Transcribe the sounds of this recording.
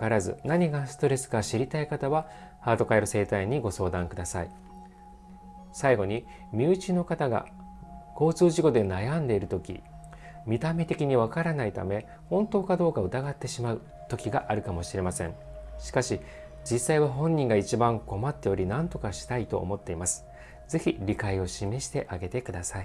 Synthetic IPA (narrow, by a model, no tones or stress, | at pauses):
kaɾazɨ̰naɲ̟iɡasɨ̥t̪o̞ɾe̞sɨ̥kaɕiɾʲit̪aikat̪aβa | haːt̪o̞kaeɾose̞ːt̪aiɲ̟iɡo̞so̞ːd̪ãŋkɯ̟d̪asai | saiɡo̞ɲ̟i | mʲjɨːt͡ɕino̞kat̪aɡa̰ | ko̞ːt͡sɨːʑiɡo̞d̪e̞najãnd̪e̞iɾɯ̟t̪okʲḭ | mʲit̪ame̞t̪e̞kʲiɲ̟iβ̞akaɾanait̪a̰me̞ | hõ̞nt̪o̞ːkad̪o̞ːkaɯ̟t̪aɡat̪ːe̞ɕimaɯ̟ | t̪o̞kʲiɡaʔaɾɯ̟kamo̞ɕiɾe̞masẽ̞ŋ | ɕi̥kaɕi | d͡ʑisːaiβaɦõ̞ɲ̟ːĩŋɡait͡ɕibãŋko̞mat̪ːe̞o̞ɾʲinãnt̪o̞kaɕi̥t̪ait̪o̞̰ːmo̞t̪ːe̞imasɨ̥ | d͡ze̞çiɾʲikaio̞ɕime̞ɕi̥t̪e̞ʔaɡe̞t̪e̞kɯ̟d̪asai